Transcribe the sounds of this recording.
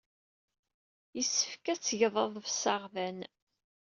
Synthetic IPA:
jəsːəfkæt͡sːʝðˤəðˤvsɑʁvæn

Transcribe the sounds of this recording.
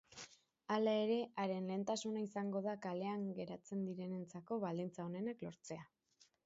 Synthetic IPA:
alae̞ɾe̞ʔaɾe̞nle̞ːnt̪asunaisaŋɡo̞ðakale̞aŋɡe̞ɾat͡se̞nd̪iɾe̞ne̞nt͡sako̞βald̪int͡sao̞ne̞naklo̞ɾt͡se̞a

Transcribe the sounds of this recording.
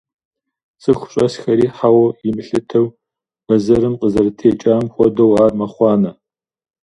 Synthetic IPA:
sʼɨxʷʊ̥ɕʼɐsxɐɾiːħawɐjɪmɨɬɨtʰɐw | b̥ɐzɐɾɨmqəzɐrɨtʰeːt͡ʃʼaːmxʷɔdɐwaːrmɐχʷɑːnɐ

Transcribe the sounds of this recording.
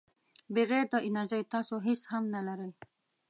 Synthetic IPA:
beɣeɾd̪əʔɪnaɾʒajt̪ɑsoɦɪshamnalaɾəj

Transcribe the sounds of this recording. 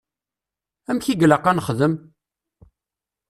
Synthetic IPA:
æmçiɡləqːɑnəχðəm

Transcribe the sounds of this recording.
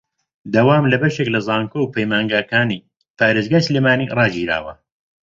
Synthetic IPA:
d̪ɐwaːmlɐbɐʃeklɐzaːŋkowpʰɐjmaːŋɡaːkaːni | paːɾeːzɡaːsɨleːmaːnḭrˤɑːd͡ʒiːɾa̰ːwɐ

